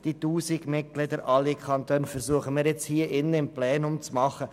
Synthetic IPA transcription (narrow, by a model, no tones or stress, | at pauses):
d̪̥it̪uːsiɡmɪt̚klɪd̪əɾʔɑlːikʰɑnt̪øːnfəɾsuəχəmɪːɾjɛt͡shiːəʔɪnːəɪmplɛːnʊmt͡smɑχːə